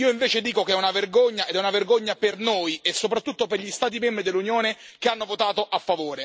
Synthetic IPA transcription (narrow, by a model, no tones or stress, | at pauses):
iːoiɱveːt͡ʃed̪iːkokeɛunaverɡoɲːaed̪ɛunaverɡoɲːapernojesːopɾat̪ːut̪ːoperʎist̪aːt̪̬imɛmbɾid̪elːunjoːnekeanːovot̪aːt̪oʔafːavoːɾe